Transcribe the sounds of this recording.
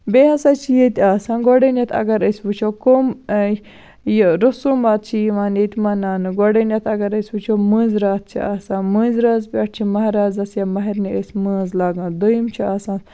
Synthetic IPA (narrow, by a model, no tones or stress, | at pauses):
beːhɐsaːt͡ʃʰijet̪ʲaːsãːnɡoɽenʲɐt̪ʰɐ̰ɡɐɾəsʲbut͡ʃʰokom | jɾɐsuːmaːt̪̚t͡ʃʰiimaːnjet̪ʲimɐnaːnɨɡoɽenʲɐt̪ʰɐɡɐɾəsʲbɨt͡ʃʰomɨːnzɾaːt̪̚t͡ʃʰḭaːsãːnmə̃ːnzɾaːzpʲɐʈ̚ʰt͡ʃʰimɐɦɐɾaːzɐsjamɐɦɐɾniəsʲməːzlaːɡãːd̪əjimt͡ʃʰiaːsãː